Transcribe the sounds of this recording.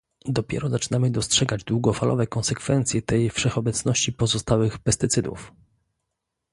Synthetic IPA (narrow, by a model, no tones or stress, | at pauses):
d̪ɔpʲjɛ̰ɾɔzat͡ʂɘ̥namɘd̪ɔstʂɛɡad͡ʑd̪wuɡɔfalɔ̰vɛkɔnsɛkfɛnt̪sʲjɛt̪ɛjfʂɛxɔbɛt̪snɔɕt͡ɕipɔzɔst̪awɘxpɛst̪ɘt̪sɘd̪ṵf